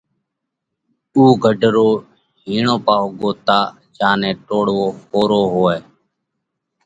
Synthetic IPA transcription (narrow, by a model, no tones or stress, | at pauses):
uːɡʱəɖʱɾoː | ɦiːɳoːpaːɦoːɡoːt̪aː | d͡ʒaːnẽːʈoːɽʋoːhoːɾoːɦoːeː